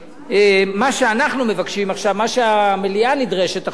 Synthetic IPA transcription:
emaʃeanaχnume̞vakʃimaχʃavmaʃeamelianidʁe̞ʃet̪a

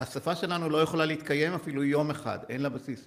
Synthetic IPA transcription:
asafaʃe̞lanulo̞jeχo̞laleit̪kaje̞mafilujo̞meχa̰de̞̰nlabasis

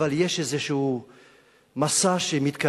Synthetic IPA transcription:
aljeʃezeʃuuː | masaʃemit̪ka

